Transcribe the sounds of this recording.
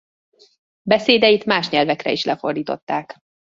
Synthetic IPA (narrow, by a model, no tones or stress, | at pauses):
bɛseːd̪ɛjit̪maːʃɲɛlvɛkrɛ̰iʃlɛfo̞rd̪iːt̪o̞̰t̪ːaːk